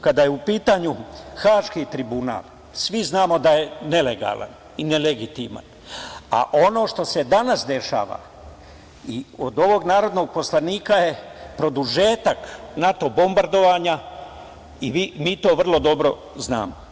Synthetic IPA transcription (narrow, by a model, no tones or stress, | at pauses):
kad̪ajeupiːt̪aɲuxaːʃkit̪ɾibuna̰ːlˠ | sʋiznaːmo̞d̪aje̞ne̞le̞ɡa̰ːla̰n | ine̞leɡit̪ḭma̰n | a̰ʔo̞no̞ːʃt̪o̞se̞d̪anasd̪e̞ʃa̰ːʋa̰ | iod̪o̞ʋo̞ɡnaːɾo̞d̪no̞ɡ̚po̞slaniːkaje̞pɾo̞d̪uʒe̞ːt̪aknat̪o̞bo̞mbaɾd̪o̞ʋaːɲa | iʋimiːt̪o̞ːʋr̩lo̞d̪o̞bɾo̰ | zna̰ːmo